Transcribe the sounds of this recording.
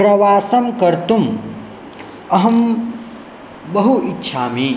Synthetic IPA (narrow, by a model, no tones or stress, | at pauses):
pɾɐʋaːsɐmkɐɾt̪um | ɐɦɐm | bɐɦuitːʃʰaːmi